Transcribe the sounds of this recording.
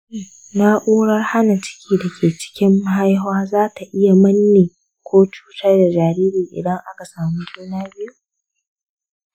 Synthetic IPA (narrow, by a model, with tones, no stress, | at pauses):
na˦ʔoː˦ɽɐ˦rha˦na˨t͡ʃɪ̥˦kʲʰiː˨da˨kʲʰeː˨t͡ʃɪ̥˦kʲɪ˦mːa˦ɦa˦jɦaː˦zaː˦ta˨ʔɪ˦ja˨mɐ˦nːeː˨ | kʷoː˦t͡ʃu̥ː˦tɐ˦rda˨d͡ʒaː˨ɾiː˦ɾiː˨ʔɪ̰˨dɐ˦ŋʔa˦ka˨saː˨mu˦d͡ʒuː˦naː˦bɪ˦ju˦